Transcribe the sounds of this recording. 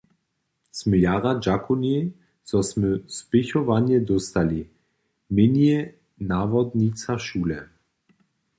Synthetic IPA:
sməjaːʁad͡ʒakʰʊne | sɔsmøspɪçɔvanjɛd̪ɔst̪ali | mɪnje | naːvɔd̪nit͡saʃuːlɛ

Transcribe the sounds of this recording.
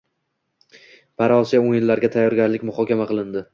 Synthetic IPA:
pʰaɾɒsijaojɪnlaɾɡʲat̪ʰajɒɾɡʲaɾlɪkʲmʊχɒkʲamaqʰɨlˠɪnd̪ɪ

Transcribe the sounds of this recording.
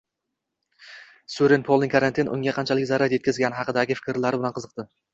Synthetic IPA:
sʊɾɪnpʰolˠnɪŋkʰaɾant̪ʰɪnʔʊ̰ŋɡʲaqʰɑnt͡ʃʰalɪkʲzaɾaɾje̞t̪̚ʲkʲɪzɡʲanɪɦɑqɨd̪aɡʲɪfɪ̥kʲɪɾlaɾɪbɪlanqʰɨzɨq̚t̪ɪ

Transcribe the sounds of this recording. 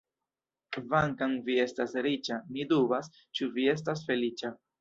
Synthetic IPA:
vaŋkaŋvie̞stasɾit͡ʃamidubas | t͡ʃuvie̞s̬tas̬fe̞lit͡ʃa

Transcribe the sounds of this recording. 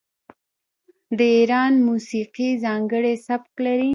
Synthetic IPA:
d̪əiɾɑnmusiqizɑŋɡəɽesabklaɾi

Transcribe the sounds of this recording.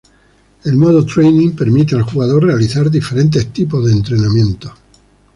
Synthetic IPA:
e̞lmoðot̪ɾejnĩŋpe̞ɾmit̪̬ealxuɣaðo̞rre̞aliθaɾðife̞ɾe̞nt̪̬e̞st̪ipo̞zðeːnt̪ɾe̞namjẽ̞nt̪o

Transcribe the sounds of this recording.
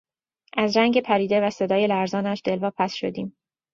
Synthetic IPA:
ʔæzɾæŋɡe̞pʰæɾiːd̪evæse̞d̪ɒːje̞læɾzɒːnæʃd̪e̞lvɒːpʰæsʃo̞̰d̪iːm

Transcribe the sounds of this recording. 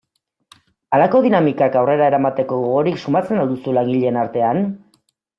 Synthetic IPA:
alako̞ðinamikakawre̞ɾae̞ɾamat̪e̞ko̞ɣoɣoɾiksumat͡se̞nald̪usulaŋɡiʎe̞ːnaɾt̪e̞an

